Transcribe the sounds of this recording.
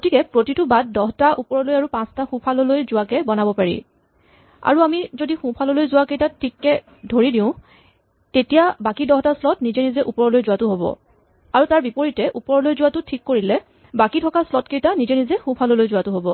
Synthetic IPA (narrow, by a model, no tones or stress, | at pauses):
ɡ̥otikɛpɹotitʊbad̚dɔɦtaʔupɔɹɔlojaɹupãstaxũpʰalɔlojzʊwakɛbɔnabɔpaɹḭ | a̰ɹuamizodixũpʰalɔlojzʊwakejtatʰːikːɛ | dʱoɹidĩʊ̃ | tetijabakidɔɦtaslɔtnizɛnizɛʔupɔɹɔlojzʊwatʊɦobɔ̰ | aɹutaɹbipoɹitɛʔupɔɹɔlojzʊwatʊtʰikːoɹilɛ | bakitʰɔkaslɔtkejtanizɛnizɛxʊ̃pʰalɔlojzʊwatʊɦobɔ